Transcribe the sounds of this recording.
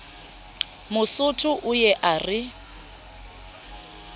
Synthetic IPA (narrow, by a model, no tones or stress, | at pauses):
mʊsʊtʰʊʔʊjɛʔarɪ